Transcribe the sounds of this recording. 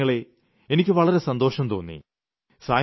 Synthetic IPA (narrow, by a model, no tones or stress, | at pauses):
ɐɭe̞ | enikʲːɨʋɐɭɐɾe̞sɐnd̪o̞ːʂɐmt̪o̞ːnːḭ | saː